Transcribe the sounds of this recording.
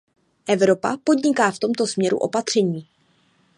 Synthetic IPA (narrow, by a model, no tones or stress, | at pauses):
ʔɛvɾo̞pa̰po̞d̪ɲɪkaːft̪o̞mt̪o̞smɲɛɾṵʔo̞̰pat̪r̝̥ɛɲiː